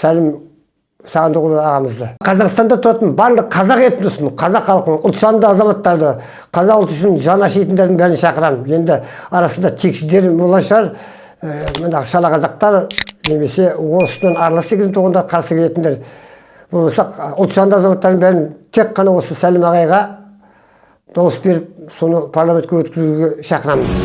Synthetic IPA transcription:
sælɪm | sɑʁɑnt̪ʰuʁəlˠəɑʁɑməzd̪əqʰɑzɑqəst̪ɑnd̪ɑt̪ʰʊɾɑt̪ənbɑɾlˠəqqʰɑzɑʁeet̪nd̪ʊsəməqʰɑzɑqχɑlˠqənəʔʊlˠt̪ʃɑnd̪əɑzɑmɑt̪ːɑɾd̪ə | qʰɑzɑqlˠt̪ʏʃɪnʒɑnɑʃejt̪ɪnd̪eɾd̪ɪŋbæɾɪnʃɑqəɾɑmje̞nd̪ɪɑɾɑsənd̪ɑt̪ʰeksɪzd̪e̞ɾbolˠɑʃəʁɑɾ | mənɑʁəʃɑlˠɑqɑzɑq̚t̪ɑɾne̞me̞se̞wosnenɑɾlˠɑsekʲɪzɪt̪uʁɑnd̪ɑɾəqʰɑɾsəkʰʲele̞t̪ɪnd̪eɾ | b̥olˠbosɑʊlˠt̪ʃɑnd̪əɑzɑmɑt̪ːɑɾd̪əŋbæɾɪnt̪ʰe̞k̚qːɑnɑwo̞səsælɪmɑʁɑjʁɑ | d̪̥ɑwəsbe̞ɾɪp̚so̞nəpʰaɾlˠamet̪kʲewɵt̪kʲɪzuɡʲe̞ʃɑqəɾɑmən

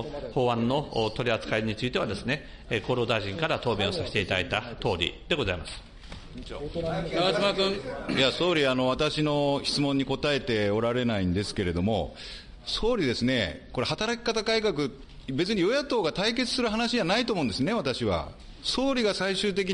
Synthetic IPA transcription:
hoːβãnːo̞t̪o̞ɾʲiat͡sɨ̥kaiɲ̟it͡sɨit̪e̞βad̪e̞sɨne̞ | ko̞ːɾo̞ːd̪aiʑĩŋkaɾat̪o̞ːbẽ̞osaɕe̥t̪eit̪ad̪a̰it̪at̪o̞ːɾʲḭd̪e̞ɡo̞zaimasɨ̥ | o̰aazɨmakɯ̃jaso̞ːɾʲiano̞β̞at̪aɕino̞çi̥t͡sɨmõ̞ɲ̟ːiko̞t̪ae̞t̪e̞o̞ɾaɾe̞naĩnd̪e̞sɨ̥ke̞ɾe̞d̪o̞mo̞ | so̞ːɾʲid̪e̞sɨne̞ko̞ɾe̞hat̪aɾakʲi̥kat̪akaikakɯ̟ | be̞t͡sɨɲ̟ijo̞jat̪o̞ːɡat̪aik̬e̞t͡sɨ̥sɨɾɯ̟ɦanaɕid͡ʑanait̪oːmõːnd̪esɨne̞βat̪aɕiβa̰ | so̞ːɾʲiɡasaiɕɨːt̪̬e̞k̬ʲi

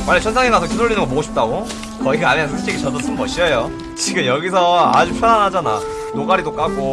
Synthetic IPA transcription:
manːet͡ɕʰʌnsʰaŋenas̬ʰʌkidoɭːinɯnŋɡʌmoɡoɕʰi̥p̚t͈aɡo | kʌiɡaanesʰʌsʰt͡ɕ͈eɡit͡ɕʌdʌs͈ʰɯmmʌɕ͈ʰiʌjo | t͡ɕiɡɯmjʌɡis̬ʰʌa̰d͡ʑupʰjʌnanɦad͡ʑana̰ | nok͈aɾidok͈aɡo

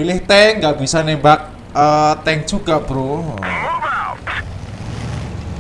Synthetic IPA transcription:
ilɪht̪eŋɡaʔb̥i̤sanebak̚ | ət̪ɛŋd̥ʒ̥uɡ̥aʔb̥əɾo

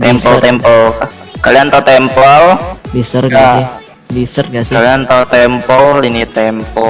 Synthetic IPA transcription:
ɛmsɔlt̪ɛmpɔlka | kaliant̪ɔt̪ɛmpɔlnisərŋasɪh | nisərŋasɪaliant̪ɔt̪ɛmpɔlinit̪ɛmpɔ

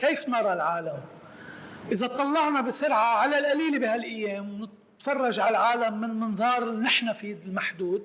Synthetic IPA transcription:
keːfnɑɾˤɑlʕaːlam | ʔɪzat̪ˤɑlːɑʕnabɪsʊɾʕaʕalalʔaliːlibɪhalʔajːeːmwnɪt̪ | fɑrˤːɑʒʕalʕaːlamːɪnlmɪnðˤɑːɾˤɪlinɪħnafiːd̪ɪlmaħd̪uːd̪̚

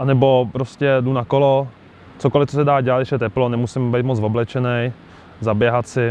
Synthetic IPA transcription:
ʔanɛbo̞pɾoscɛdunakolo | t͡soko̞lɪft͡sosɛdaːɟɛlat̪dɛʃjɛt̪̬ɛplonɛmusɪmbɛjt̪mot͡svo̞blɛt͡ʃɛnɛj | zabjɛɦat̪sɪ

